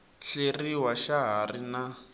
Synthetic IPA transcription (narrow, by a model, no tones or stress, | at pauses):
ɬeriwaʃaɦarina